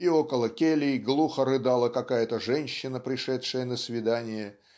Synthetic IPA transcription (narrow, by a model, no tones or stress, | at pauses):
io̞kəlˠəkʲelʲɪɡlˠuxəɾɨd̪alˠəkɐkajət̪əʐɛnʲɕːɪnəpɾʲɪʂɛtʂɨjənəsvʲɪd̪anʲɪjə